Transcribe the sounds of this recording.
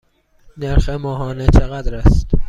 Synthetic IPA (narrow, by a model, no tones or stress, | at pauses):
neɾxemɒːɦɒːnet͡ʃʰeɣæd̪ɾæst̪